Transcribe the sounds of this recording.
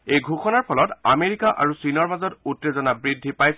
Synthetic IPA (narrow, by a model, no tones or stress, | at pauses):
ejɡʱuxɔnaɹpʰɔlɔta̰meɹikaʔa̰ɹusinɔɹbazɔtutːezɔnabɹidʱːipaj